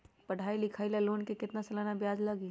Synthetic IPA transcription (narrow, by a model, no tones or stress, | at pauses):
pɐɽ̤ʱaːilɪkʰaːilaloːnkekɪt̪nasɐlaːnabjaːd͡ʒləɡi